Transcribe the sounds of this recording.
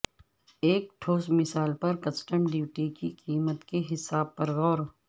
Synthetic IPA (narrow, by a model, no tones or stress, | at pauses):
eːk̚ʈʰoːsmɪsaːlpɐɾkɐsʈəmɖiːʋʈikiqiːmət̪keɦɪsaːb̚pɐɾɣɔːɾ